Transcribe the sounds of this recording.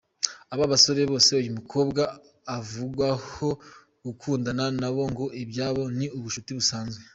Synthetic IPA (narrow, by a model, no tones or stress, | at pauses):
aβaβaso̞ɾe̞βo̞ːseujumukʰo̞ːbɡaː | vuɡwaho̞ | ɡukʰuːndananaβo̞ŋɡo̞ʔibɟaːβo̞niuβuʃutiβusaːnzwe